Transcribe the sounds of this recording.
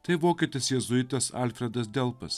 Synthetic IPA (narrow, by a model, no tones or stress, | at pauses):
t̪ɐɪʋoːkʲeːt̪ʲɪsjɛzʊɪt̪ɐsɑ̰ːlʲfʲɾʲɛd̪ɐs̬d̪ʲɛlˠpɐ̰s